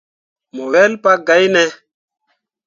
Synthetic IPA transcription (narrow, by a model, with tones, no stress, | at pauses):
mo˨wɛ˦lpa˦ɡa˨˦jnɛ˦